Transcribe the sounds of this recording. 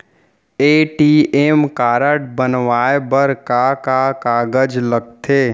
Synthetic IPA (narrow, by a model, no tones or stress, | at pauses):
eːʈieːmkaːɾəʈbənʋaːebəɾkakakaːɡəd͡ʒləɡ̚t̪ʰeː